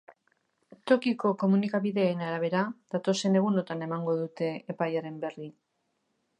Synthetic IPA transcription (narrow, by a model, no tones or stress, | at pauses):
t̪o̞kiko̞ko̞munikaβiðe̞ːnaɾaβ̞e̞ɾað̥at̪o̞se̞ne̞ɣ̞uno̞t̪ane̞maŋɡo̞ðut̪e̞ːpajaɾe̞mbe̞ri